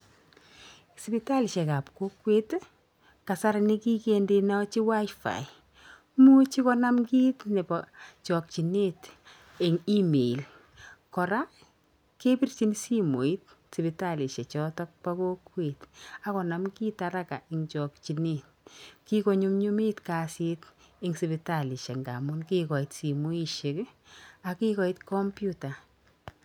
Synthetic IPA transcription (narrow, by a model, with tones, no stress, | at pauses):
si˨pi˨ta˦li˨ʃɛ˨ka˨pko˦kwe˦t | ka˨sa˦ɾani˦ki˦kende˧nɔ˦t͡ʃi˦wa˦jfa̰˨j | mu˦t͡ʃi˦kɔ˦na˦mkiː˦tne˨pat͡ʃɔk̚t͡ʃi˨ne˦t | e˨ŋi˦me˨i˨l | kɔ˨ɾa˦ | ke˦pi˦rt͡ʃi˦nsi˦mo˨i˦t̚ | si˨bi˨ta˦li˨ʃe˨t͡ʃɔtɔ˦k̚pa˦ko˦kwe˨ta˦kɔ˨na˨mkiː˦ta˨ɾa˦ka̰˨ʔiŋt͡ʃɔ˨k̚t͡ʃi˨ne˨t | ki˦ko˨ɲu˦mɲu˦mi˦tka˨si˦t | i˦ŋsi˨bi˧ta˨li˨ʃe˨ŋɡa̰˨mʊ˦nki˦kɔ˨i˨tsi˨mo˦i˦ʃe˨ka˨ki˦kɔ˦i˦tkɔ˦mpju˦ta˨